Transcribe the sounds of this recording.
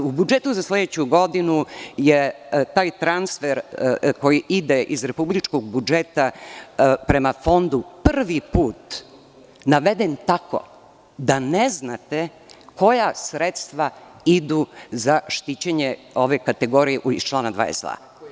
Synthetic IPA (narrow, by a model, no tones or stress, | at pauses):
ubud͡ʒet̪uzasled̪et͡ɕuɡo̞d̪inujet̪aːjt̪ɾansfeɾko̞jiʔid̪eʔizɾepublit͡ʃkoɡ̚bud͡ʒet̪a | pɾe̞mafo̞nd̪uprʋipuːt̪ | naʋed̪ent̪ako̰ | d̪aneznat̪eko̞jasɾet̪st̪ʋaid̪uzaʃt̪it͡ɕeɲe | o̞ʋekat̪eɡo̞ːɾijeʔuit͡ʃlˠaːnad̪ʋa̰ːjḛsd̪ʋa̰ː